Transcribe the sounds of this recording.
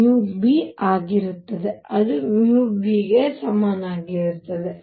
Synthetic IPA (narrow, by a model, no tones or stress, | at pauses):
mubiaːɡiɾut̪ːɐd̪e̞ɐd̪umubiɡe̞sɐmaːnaːɡiɾut̪ːɐd̪e